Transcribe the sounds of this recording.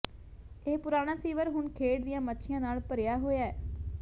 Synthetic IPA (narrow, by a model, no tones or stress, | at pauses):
eːpʊɾaːɽ̃aːsiːʋəɾɦʊɳkʰeːɽd̪ɪjãːmətːʃʰɪjãːnaːlpəɾjaːɦoːjaːɛː